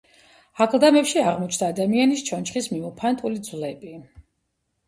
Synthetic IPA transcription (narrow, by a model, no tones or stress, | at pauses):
akʰlˠd̪amɛpʃiaʁmɔt͡ʃʰnd̪aːd̪amianist͡ʃʰɔnt͡ʃχismimɔpʰant̪ʼulid̪zvlɛbi